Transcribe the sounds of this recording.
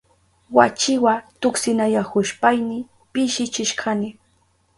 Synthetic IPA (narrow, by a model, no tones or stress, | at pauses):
wat͡ʃɪwat̪ʊksɪnajahʊʃpajnɪ | pɪʃɪt͡ʃɪʃkʰɑnɪ